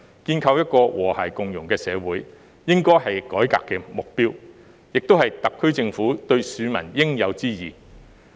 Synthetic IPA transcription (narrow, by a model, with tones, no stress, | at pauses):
kiː˧nkʰɐ˧wjɐ˥t̚kɔː˧wʔɔː˨˩hɐː˨˩jkʊ˨ŋjʊ˨˩ŋkɛː˧sɛː˨˧wuː˨˥j | jɪ˥ŋkɔː˥jɦɐ˨jkɔː˨˥jka̰ː˧kːɛː˧mʊ˨k̚piː˥w | jɪ˨k̚t̪o˥whɐ˨jt̪ɐ˨kʰːɵ˥ɥt͡sɪ˧ŋfuː˨˥t̪ɵ˧ɥsyː˨˧mɐ̰˨˩njɪ˥ŋjɐ˨˧wt͡siː˥jiː˨˩